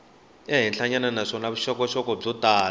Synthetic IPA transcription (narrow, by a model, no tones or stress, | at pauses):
ɛɦɛnɬaɲananaʂɔnaβuʃɔkɔʃɔkɔb͡ʐɔt̪aː